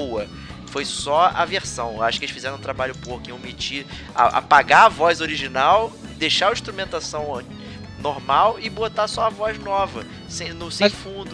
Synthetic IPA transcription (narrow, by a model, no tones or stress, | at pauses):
owɐ | fojsɔɐ̰veχsɐ̃w̃ewaʃʊkɪelɪsʃfizɛɾɐ̃t̪ɾabaʎʊpokĩomit͡ʃi | a̰ʔa̰paɡaɐvɔjzoɾiʒinaw | d̪ejʃaĩʃt̪ɾumẽnt̪asɐ̃w̃ | noɾmawɪbot̪asɔɐvɔjznɔvɐ | sẽnʊsẽj̃fũd̪ʊ